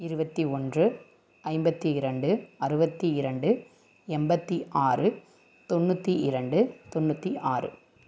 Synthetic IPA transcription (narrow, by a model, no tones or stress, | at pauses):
ɪɾɯbɐt̪ːiɔndrɯ | ɐɪmbɐt̪ːiɪɾɐɳɖɯɐɾɯbɐt̪ːiɪɾɐɳɖɯ | ɛmbɐt̪ːiʔaːrɯ | t̪ɔnːɯt̪ːiʔɪɾɐɳɖɯt̪ɔnːut̪ːiʔaːrɯ̰